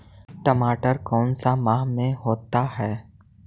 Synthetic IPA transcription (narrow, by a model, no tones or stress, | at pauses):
ʈəmaːʈəɾkɔːnsamaːɦmẽɦoːt̪aɦɛː